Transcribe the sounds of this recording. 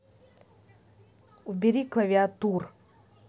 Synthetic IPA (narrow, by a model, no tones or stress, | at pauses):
uvbʲɪɾʲiklˠɐvʲɪat̪ur